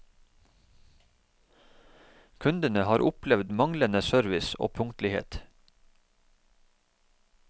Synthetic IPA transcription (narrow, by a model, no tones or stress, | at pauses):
kʰʉnd̪ənəhɑːɾʔʊplɛʋd̪mɑŋlənəsœɾʋɪso̰ːpʰʊŋt̪lɪhḛːt̪